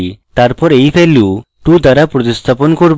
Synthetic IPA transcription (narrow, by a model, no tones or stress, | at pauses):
it̪aɾpɔɾejpʰeleo | ʈud̪aɾapɾot̪ist̪ʰapɔnkoɾb